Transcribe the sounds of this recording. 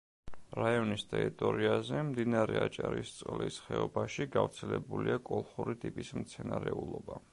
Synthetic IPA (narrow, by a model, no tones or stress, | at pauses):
ɾaiɔnist̪ʼɛɾit̪ʼɔɾiazɛmd̪inaɾɛat͡ʃʼaɾist̪sʼqʼlisχɛɔbaʃiɡavɾt̪sʰɛlɛbuliakʼɔlˠχuɾit̪ʼipʼismt̪sʰɛnaɾɛulˠɔba